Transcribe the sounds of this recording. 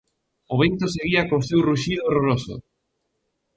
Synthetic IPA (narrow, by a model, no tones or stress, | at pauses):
ʊβent̪oseɣiɐkosewruʃiðoːroɾoso̰